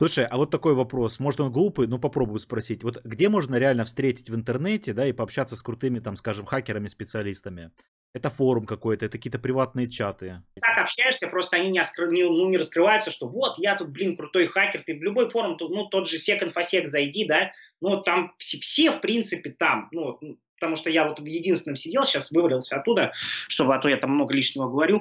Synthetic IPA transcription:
sˠuʂəjɐvo̞t̪ːɐko̞jvɐpɾo̞smo̞ʐɨt̪o̞nɡlˠupɨjnupɐpɾo̞bʊjʊspɾɐsʲitʲvo̞t̪ɡdʲe̞mo̞ʐnəɾʲɪalʲnəfst̪ɾʲetʲɪ̥tʲvɨnt̪ɨrnɛtʲɪd̪aipɐpɕːat̪sːəskɾʊt̪ɨmʲɪt̪amskaʐɨmxakʲɪɾəmʲɪspʲɪt̪sɨɐlʲist̪əmʲɪ | ɛt̪əfo̞ɾʊmkɐko̞jt̪əɛt̪kʲiːt̪əpɾʲɪvat̪nɨjət͡ɕat̪ɨt̪akɐpɕːæjɪʂsʲəpɾo̞st̪əɐnʲinʲɪɐskɾɨnʲɪnunʲɪɾəskɾɨvajʊt̪səʂt̪ovo̞t̪jat̪ut̪̚blʲinkɾʊt̪o̞jxakʲɪrt̪ɨvlʲʊbo̞jfo̞ɾʊmt̪unut̪o̞d̪ʐɨsʲekənfɐsʲekzɐjdʲid̪anut̪ːamfsʲfsʲe̞fpɾʲint̪sɨpʲɪt̪amnuvot̪̚nupə̥t̪ɐmuʂt̪ojavo̞t̪jɪdʲinst̪vʲɪnəmsʲɪdʲe̞lˠɕasvɨvɾʲɪlˠsʲəɐt̪ːud̪əʂt̪o̞bɨɐt̪ojat̪amːno̞ɡəlʲiʂnʲɪvəɡəvɐɾʲu

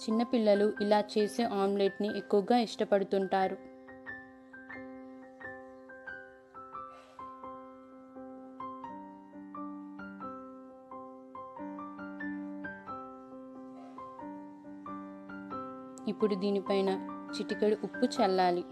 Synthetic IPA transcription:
t͡ʃinːɐpilːɐluʔilaːt͡ʃe̞ːse̞ːʔaːmle̞ːʈniʔekːuʋɐɡaːiʂʈɐpɐɽut̪uɳʈaːɾu | ipːuɽud̪iːnipɐjnɐt͡ʃiʈikɐɽuʔupːut͡ʃɛlːaːli

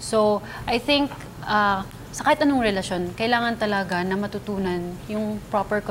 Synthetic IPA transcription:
so̞ | ʔɐjθɪŋk | ʔa | sɐkaːhɪt̪ʔɐnoŋɾɛlɐʃo̞nkɐʔɪlaːŋɐnt̪ɐlɐɡanɐmɐt̪ʊt̪uːnɐnjʊŋpɾopɛɹk

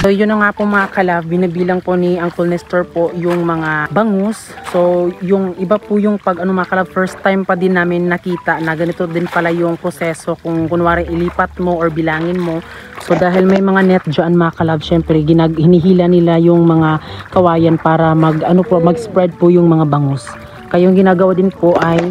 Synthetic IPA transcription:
sojʊnːɐŋaːpoŋmɐŋakɐlavbɪnɐbiːlɐŋpo̞niʔɐŋkolnɛst̪ɛɹpo̞jʊŋmɐŋabɐŋos | so̞jʊŋʔɪbapʊjʊŋpɐɡʔɐnomɐɐkɐlavfɛɹst̪ːajmpɐd̪ɪnːaːmɪnːɐkiːt̪ɐʔnɐɡɐnɪt̪od̪ɪnpɐlajʊŋpɾosɛso̞kʊŋkʊnwaːɾɪnʔɪliːpɐt̪̚moʔoɹbɪlaːŋɪnmo̞ | so̞d̪aːɦɪlmɐjmɐŋanɛt̪̚d͡ʒɐʔanmɐɐkɐlaɡʃɛmpɾɛɡɪnaɡhɪnɪɦiːlɐnɪlajʊŋmɐŋakɐwaːjɐnpaːɾɐmɐɡʔɐnopomɐɡspɾɛd̪̚pʊjʊŋmɐŋabɐŋos | kɐjoŋɡɪnaːɡɐwad̪ɪnpoʔɐj

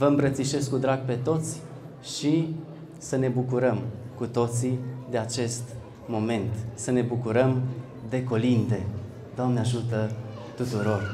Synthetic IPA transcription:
vəɨmpɾət̪siʃe̞skud̪ɾaɡ̚pe̞t̪o̞t̪sʲ | ʃi | səne̞bukuɾəmkut̪o̞t̪sid̪e̞at͡ʃe̞st̪ | mo̞me̞nt̪səne̞bukuɾəm | d̪e̞ko̞lind̪e̞ | d̪oamneaʒut̪ət̪ut̪uɾo̞r

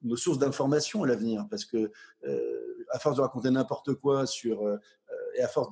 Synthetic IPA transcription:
nosuʁsd̪ɛ̃fɔʁmasjɔ̃alavniːʁpaʁsə̥kəø̰afɔʁsd̪əʁakɔ̃t̪enɛ̃pɔʁt̪əkwasyʁø | øeafɔʁs

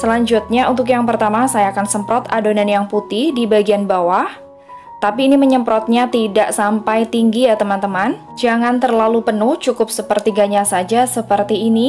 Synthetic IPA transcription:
səlaɲd͡ʒʊt̪̚ɲaṵnt̪ʊk̬jaŋpərt̪amasajaːkansəmpɾɔt̪adonanjaŋput̪ɪhdibaɡianbawah | t̪apiːniməɲəmpɾɔt̪̚ɲat̪idaʔsampajt̪iŋɡijat̪əmant̪əman | d͡ʒaŋant̪ərlalupənʊht͡ʃukʊp̚səpərt̪iɡaɲasad͡ʒasəpərt̪iːni

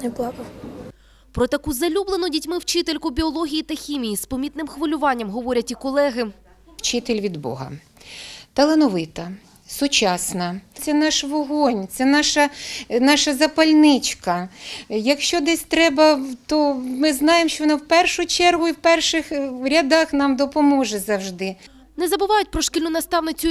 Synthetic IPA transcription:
nblˠɑkɐ | pɾɔt̪ɐkuzɐlʲublˠenʊdʲitʲmɪwt͡ʃɪt̪elʲkʊbʲiɔlˠɔɦʲijit̪ɐxʲimʲijispɐmʲit̪nɪmxʋɐlʲʊʋɑnʲːɐmɦɔʋɔɾʲɐtʲikɔlˠɛɦɪ | wt͡ʃɪt̪elʲʋʲid̪bɔ̰ɦɐ̰ | t̪ɐlˠenɔʋɪt̪ɐ | sʊt͡ʃɑsnɐt̪sɛnɑʃʋɔɦɔnʲt̪sɛnɑʃɐnɑʃɐzɐpɐlʲnɪt͡ʃkɐjɐkʃt͡ʃɔd̪ɛsʲt̪ɾɛbɐt̪ɔmɪznɑjemʃt͡ʃɔʋɔnɑwpɛrʃʊt͡ʃɛrɦʊiwpɛrʃɪxɾʲɐd̪ɑxnɑmd̪ɔpɔmɔʒɛzɐwʒd̪ɪ | nɛzɐbɪʋɑjʊt̚ʲpɾɔʃkʲilʲnʊnɐst̪ɑwnɪt͡sʲʊ

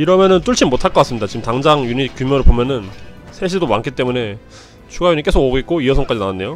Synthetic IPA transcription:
iɾʌmjʌnɯnt͈uɭt͡ɕʰinmotʰaɭk͈ʌk͈as͈ɯmɲidat͡ɕimtaŋd͡ʑaŋjuɲikjumjʌnɯɭpomjʌnɯnsʰeɕʰidomaŋkʰit͈e̞mune̞ | t͡ɕʰuɡajuɲik͈e̞sʰoɡoɡet̚k͈oiʌsʰʌŋk͈ad͡ʑinawanːe̞jo

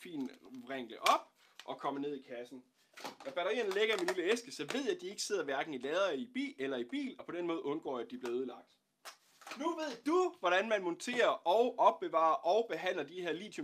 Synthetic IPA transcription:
fḭːnʁeŋ̰ləʔɒ̽b̥̚ | ʔɒ̽kʰɒ̽m̰ɐne̝ð̰ˠikʰæsn̩ | nɒb̥æɾɐʁḭːɐnəle̝ɡ̥ɐiminliləesɡ̥əsɒ̽ʋe̝ð̰ˠjæd̥ie̝ɡ̥əse̝ð̰ˠɐʋæɐɡ̥n̩ilɛːð̞ˠɐib̥ḭːelɐib̥ḭːlɒ̽pʰɒ̽d̥enmɔ̽ːð̩ˠɔ̽nɡ̥ɒ̰ːæd̥ib̥le̝ɐuð̞ˠlɑ̈ɡ̥̚d̥ | nuʋe̝ð̰ˠd̥uʋɒɾ̥ænmænmɔ̽nt͡sʰe̝̰ːɐʔɒ̽ʊʔɒ̽b̥ːe̝ʋɑ̰̈ɐʔɒ̽ʊb̥e̝ɦæn̰lɐd̥ihe̝ɐliːd̥jo

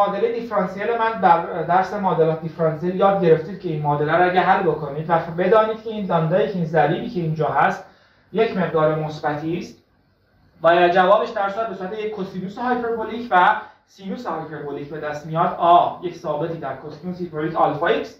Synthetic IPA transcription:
mɒːd̪eled̪ifɾɑnsielemænd̪æɾd̪æɾsemɒːd̪elɒːt̪d̪ifɾɑnsieljɒːd̪̚ɟe̞ɾe̞ft̪iːd̪̚cʰe̞inmɒːd̪elæɾæɟʲæɦælːbo̞kʰo̞niːd̪væbe̞d̪ɒːniːd̪̚cʰe̞iːnlɒnd̪ɒːjicʰeinzæliːbiːcʰe̞iːnd͡ʒɒːɦæst̪ | je̞cʰme̞ʁd̪ɒːɾemo̞sbæt̪ʰist̪ | væd͡ʒævɒːbeʃd̪æɾsuæd̪besuːɾæt̪ʰejecʰːot̪ʰfinusehɑjpʰeɾbolicʰvæ | sinuːsehɒjpʰeɾboliːcbe̞d̪æst̪mijɒːd̪ɒːjecsɒːbe̞t̪ʰiːd̪æɾkʰot̪finusipolikɑlfɑjiks

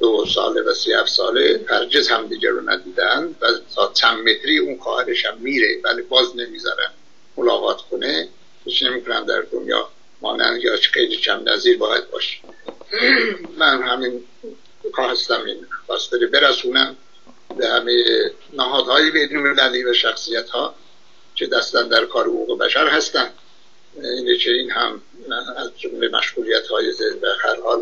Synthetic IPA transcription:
d̪̥osɒ̰ːlevæsehæfsɒːlet̪ʰæɾd͡ʒezhæmd̪iːɟæ̰ɾonæ̰d̪iːd̪æænd̪væsɒːt͡ʃʰæmmet̪ʰɾiːunxɒːhæɾeʃhæmːiːɾevælibɒːzne̞mizɒ̰ɾæ̰n | molɒ̰ːɣɒːt̪ʰkʰone | hit͡ʃne̞miːkʰonæmd̪æ̰ɾd̪onjɒ̰ː | mɒ̰ːnæ̰nd̪jɑːt͡ʃxejlit͡ʃʰæmnæ̰ziːɾbɒːjæ̰d̪̚bɒːʃe̥ | mænhæmin | kʰɒːhæst̪æmḭnxɒːst̪eɾebe̞ɾæsuːnæm | behæmeje | næɦɒːd̪hɒːjebe̞jnolmelæliːvæʃæxsijæt̪hɒː | cʰed̪æst̪ænd̪æɾkʰɒːɾehoɣuːɣebæ̰ʃæɾhæst̪ænd̪ | iːnecʰeiːnhæm | æzd͡ʒomlemʔæ̰ʃɣuːlijæt̪hɒːjezevæhæɾhɒːl

